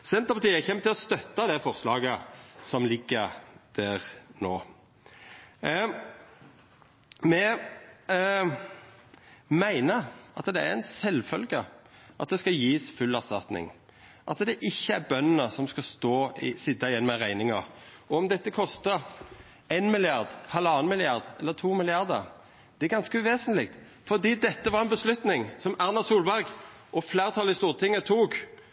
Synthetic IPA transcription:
sɛnt̪əpʰɑt̪ʰiːəjæçɛmːət̪ɪlɔst̪œt̪ːɑd̪ɛfɔʁslɑːɡəsɔmlɪɡːəɾd̪̥æːʁnoː | mɛ | mæɪnəʔɑt̪d̪ɛæɾɛɪnsɛlfœlɡəʔɑt̪̚d̪ɛskɑjiːsfʉlːæʁst̪ɑt̪nɪ̰ŋ | ʔɑt̪d̪ɛʔɪçːəæɾbœnənəsɔmskɑst̪oːɪsɪd̪ɑɪjɛnmɛʁæɪnɪŋɑ̰ʁ | ɔɔmd̪ɛt̪ːəkʰɔst̪ə | eɪnmɪlɪɑʁd̪hɑlːɑːənmɪlɪɑʁd̪ɛlːəʁt̪ʰuːmɪlɪɑʁd̪ə̰ʁ | d̪̥ɛæɡɑnskəʉʋeːsənlɪk̚t̪ | fɔʁd̪iːd̪ɛt̪ːəʋɑʁɛnbəslʉt̪nɪŋsɔmæʁnɑsuːlbæɾɡ | ʔɔfleːʁt̪ʰɑlɪst̪uːʁət̪ɪŋːət̪ʰuːɡ

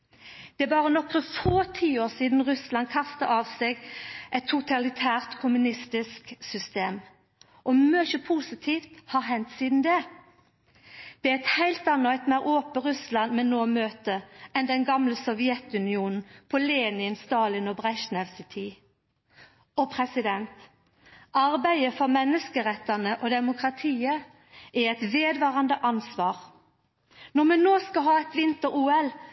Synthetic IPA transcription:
d̪̥ɛæbɑːʁənɔkːəfoːt̪ʰiːoːʁsiːd̪n̩ʁʉslɑnkʰɑst̪əʔɑːʋsɛɡʔɛt̪ʰːʊt̪ɑlɪt̪ʰæːʁt̪kʰʊmʉnɪst̪ɪsksʏst̪eːm | ʔɔmœçəpʰuːsɪt̪ʰiːft̪hɑʁɦɛnt̪siːd̪n̩d̪ɛ | d̪̥ɛæɛt̪hæɪlt̪ɑnːɔɛt̪mæɪʁoːpəʁʉslɑnmɛnnoːmøːt̪əɛnd̪ɛnɡɑmləsɔʋɪɛt̪ʉnɪuːnn̩pʰɔleːnɪənst̪ɑːlɪnɔbʁɛʃnɛʋsɪt̪ʰiː | ɔpʰʁɛsɪd̪ɛnt̪ | ʔɑʁbæɪəfɔʁmɛnːəskəʁɛt̪ːənəʔɔd̪ɛmʊkʁɑt̪ʰiːə | ʔæʁɛt̪ʋeːd̪ʋɑːʁɑnd̪əʔɑnsʋɑːʁ | nɔmɛnnoːskɑɦɑːɛt̪ʋɪnt̪əɾuːɛl

